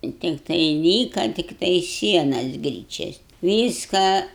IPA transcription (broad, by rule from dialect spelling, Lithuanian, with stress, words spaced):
ɪ tʲɪkˈtɐɪ ˈlʲiːkɐ tʲɪkˈtɐɪ ˈsʲiɛnɐs ˈɡrʲiːt͡ʃʲɛs ˈʋʲiːskɑː